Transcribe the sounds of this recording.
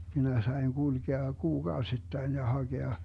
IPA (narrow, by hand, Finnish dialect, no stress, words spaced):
minæ sɑi̯ŋ ɡ̊ulɡ̊eɑ kuːɡ̊ɑositːɑin jɑ hɑɡ̊eɑ